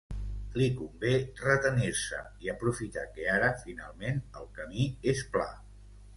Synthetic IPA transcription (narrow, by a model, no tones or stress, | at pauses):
likumberət̪əniɾsə̰ | iəpɾufit̪a̰keaɾəfina̰lˠmenəlˠkəmiespla̰